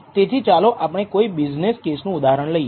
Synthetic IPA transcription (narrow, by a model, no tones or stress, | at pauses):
t̪et̪ʰit͡ʃaloʔapəɳ̃ekoibid͡ʒneskesnũud̪aɦɾəɳləij